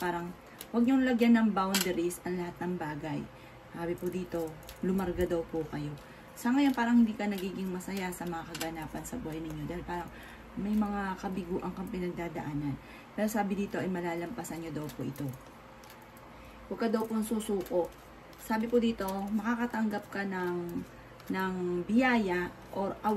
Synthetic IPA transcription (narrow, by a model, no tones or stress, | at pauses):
paːɾɐŋ | wɐɡ̚ɲoŋlɐɡjanɐŋbawnd̪ɛɾisɐŋlɐhat̪̚nɐŋbaːɡaj | haːbɪpʊd̪iːt̪o̞lʊmɐɾɡad̪ɐwpʊkɐjo̞ | sɐŋɐjo̞npaːɾɐŋhɪnd̪iːkɐnɐɡiːɡɪŋmɐsɐjasɐmɐŋakɐɡɐnaːpɐnsɐbuːhɐjnɪɲːo̞d̪ajlpaːɾɐŋ | mɐjmɐŋakɐbɪɡuːʔɐŋkɐŋpɪnɐɡ̚d̪aːd̪ɐ̰ʔaːnɐn | pɛːɾosaːbɪd̪iːt̪o̞ʔɐjmɐlaːlɐmpɐsɐnɲod̪ɐwpoʔɪt̪o̞ | wɐɡ̚kɐd̪ɐwpoɐŋsuːsuːko̞ʔ | saːbɪpʊd̪iːt̪o̞mɐkakɐt̪ɐŋɡap̚kɐnɐŋ | nɐŋbɪjaːjɐ | ʔoɾʔɐ